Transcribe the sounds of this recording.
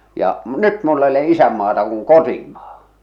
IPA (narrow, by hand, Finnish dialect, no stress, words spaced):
jɑ m nyt mulː e oleʔ ʔisæmːɑːtɑ kuŋ kotimɑ̥ː